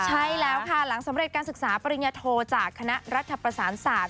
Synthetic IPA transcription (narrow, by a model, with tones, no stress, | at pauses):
t͡ɕʰa˦˥jlɛː˦˥wkʰa˥˩la˩˦ŋsa˨˩˦mɾe˨˩t̪̚kaː˧nsɯ˨˩k̚saː˩˦pa˧ɾi˧njaː˧t̪ʰoː˧t͡ɕaː˨˩kʰːa˧na˦˥ʔɾa˦˥t̪ʰːa˧pɾa˧saː˩˦nsaː˨˩t̪̚